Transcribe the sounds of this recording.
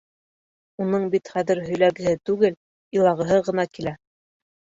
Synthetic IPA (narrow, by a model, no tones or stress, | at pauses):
unɤɴbit̪χæðɘɾɦɵ̆jlæɡɘ̆ɦɘt̪ʉɡɘl | ilˠɑʁɤ̆ɦɤʁɤ̆nɑkilæ